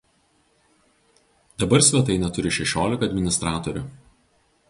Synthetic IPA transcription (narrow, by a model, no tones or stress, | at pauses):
d̪ɐbɐɾsʲʋʲɛt̪ɐɪnʲɛt̪ʊɾʲɪʃʲɛʃʲoːlʲɪkɐd̪ʲmʲɪnʲɪst̪ɾɑːt̪ɔɾʲʊ